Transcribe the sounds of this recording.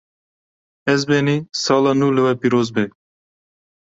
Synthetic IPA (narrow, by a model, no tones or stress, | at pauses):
ɛzbenisɑːlɑnulɨwɛpiːɾoːzbe